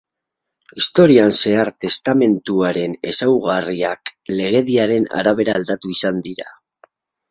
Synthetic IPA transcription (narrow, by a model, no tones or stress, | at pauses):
ist̪o̞ɾianse̞aɾt̪e̞st̪ame̞nt̪uaɾe̞ne̞sawɣariakle̞ɣ̞e̞ðiaɾe̞na̰ɾaβ̞e̞ɾaːld̪at̪uisand̪iɾa̰